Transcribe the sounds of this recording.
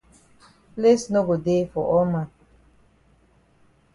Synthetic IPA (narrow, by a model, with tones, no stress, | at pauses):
ple˦sno˦ɡo˨de˦fɔ˨ʔɔ˦ma˨